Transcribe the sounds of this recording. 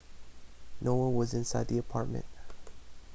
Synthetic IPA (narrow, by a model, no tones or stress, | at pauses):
nowʌ̃nwʌzɪ̃nsaɪd̪̚diəpʰɑɹt̚mə̰̃nt